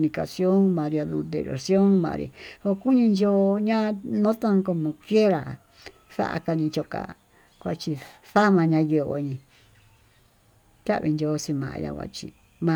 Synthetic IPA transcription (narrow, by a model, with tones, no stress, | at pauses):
nĩ˧ka̰˨sjo˦ŋmã˨˧ɾja˧ðu˧d̪ḛ˨ɾo̰˨sjo˦ŋmã̰˧ɾḭ˧o˧ku˦ɲĩ˧nd͡ʒo˦ɲã˦nõ˦t̪ã˦˧ŋ˦ko˧mõ˧kje˦ɾa˨ | sa̰˦ʔa̰˧ka˧ɲĩ˧t͡ʃo˧ka̰˨ | kʷa˧t͡ʃi˧sa˦mã˧ɲã˧jo˧o̰˧˨ɲĩ˧ | t̪ʲa˦βi˧nd͡ʒo˧˦˧si˧mã̰˨ʔja̰˧kʷa̰˧t͡ʃi˧ | mã˧